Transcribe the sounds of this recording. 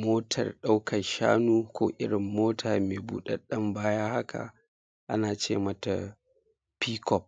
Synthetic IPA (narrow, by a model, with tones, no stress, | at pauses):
moː˦tʰɐ̰˨rɗa˦wkʰɐ˨nʃa̰ː˦nuː˦kʷoː˦˨ʔɪ˦ɽɪ˨mːoː˦tʰaː˨meː˨bṵː˦ɗɐ˦ɗɐ˦mbaː˦jaː˦ha˦kʰa̰˨ | ʔa˦naː˨t͡ʃḛː˦˨mɐ˦ta˨ | piː˦kɔ˨p̚